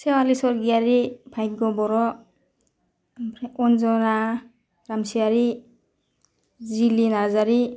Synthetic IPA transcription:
sewalisɔɾɡiaɾibʰʱajd̪̚ɡɔbɔɾɔ | pʰɾeʔɔnzɔna | ɾamsiaɾi | d͡zilinazaɾi

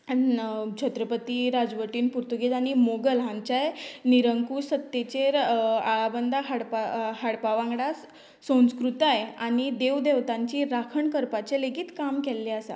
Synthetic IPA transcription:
at͡ɕʰət̪ɾəpət̪iɾad͡zʋəʈiːnpuɾt̪uɡet̪aɽ̃imoɡəlɦãɲt͡ɕajniɾəŋkuːsət̪ːet͡ɕeɾaɭabənd̪ʱaɦaɽpahaɽpaʋãŋɡɽa | sə̃skɾut̪ajaɽ̃id̪eʋd̪eʋt̪ãɲt͡ɕiːɾakʰəɳkəɾpat͡ɕeleɡiːt̪kamkɛlːeasa̰

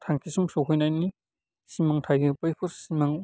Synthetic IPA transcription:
tʰaŋkʰisumsokʰɯjnajni | simaŋtʰajɡɯpɯjpʰɯsimaŋ

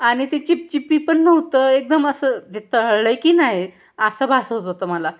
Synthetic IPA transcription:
aɽ̃it̪et͡ɕip̚t͡ɕipːiːpəɳːəwt̪əek̚d̪əməsəːd̪et̪əɦəɭɭəjkiːnaɦe | əsəbʱasɦot̪ɦot̪əməla

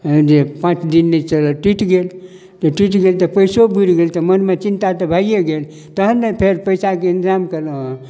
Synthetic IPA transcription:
d͡ʒepãt͡ʃd̪inːɛt͡ʃələʈwiʈɡel | t̪əʈwiʈɡelt̪əpəjsobuɾɡelt̪əmənmet͡ʃint̪at̪əbʱajjeɡel | t̪əɦənːepʰeɾpəjsakeinzamkələɦ

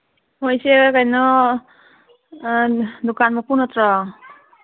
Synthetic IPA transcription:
mojsekajnɔ | d̪ukanmɔpunɔt̪ɾɔ

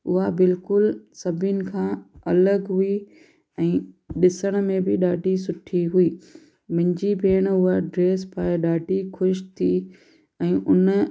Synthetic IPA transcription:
ʊɦabɪlkʊlsɐbʱɪnɪ̆kʰãːɐləɡɦui | ɛ̃ːɗɪsəɽ̃̆mẽbɪɗaːɖʱisʊʈʰiɦuiː | mɪ̃ɲd͡ʑipeːɽ̃ʊɦaɖɾeːspaːɗaːɖʱixʊʃt̪ʰi | ɛ̃ːʔʊn

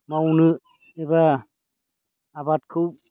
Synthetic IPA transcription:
mawnɯ | eba | bat̚kʰub̚

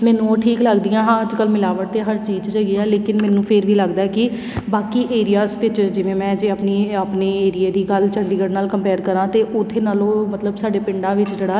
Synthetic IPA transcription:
mɛːnũːʈʰiːkləɡd̪ijãːɦãːəd͡ʒkəlmɪlaːʋəʈ̚t̪eːɦəɾt͡ʃiːd͡ʒd͡ʒəɡiːɛːleːkɪnmɛ̃ːnũːpʰɪɾʋiːləɡd̪aːɛkɪ | baːkiːʔeːɾijaːzʋɪt͡ʃd͡ʒɪʋẽːmɛ̃ːd͡ʒeːəpniːəpneːeːɾijeːd̪iːɡəlt͡ʃəɳɖiːɡəɽnaːlkəmpɛːɾkəɾãːt̪eːʔʊt̪ʰːeːnaːloːmət̪ləbsaːɖeːpɪɳɖãːʋɪt͡ʃd͡ʒəɽaː

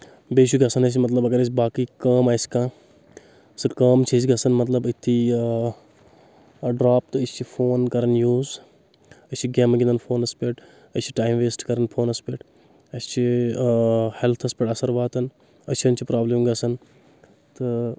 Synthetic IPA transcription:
beːt͡ʃ̬ʰuɡɐsɐnɐs̬imɐt̪̬lɐbɐɡɐɾɐs̬ʲibaːkiːkɐːmaːsʲi̥kãː | sɨkɐːmt͡ʃʰis̬ɡɐsɐnmɐt̪lɐbit̪ʰːi | ɖɾaːp̚t̪ɨɐst͡ʃʰipʰoːnkɐɾɐnjuːz | ɐsʲt͡ʃʰiɡeːmɐɡʲind̪ɐnpʰoːnɐspʲeːʈ | ɐt͡ʃʰi̥ʈaːimʋeːsʈkɐɾɐnpʰoːnɐspeːʈ | ɐst͡ʃʰi | helt̪ʰɐspʲeʈɐsɐɾʋaːt̪ɐn | ɐt͡ʃʰɐnt͡ʃʰipɾaːblimɡɐsɐn | t̪ɨ

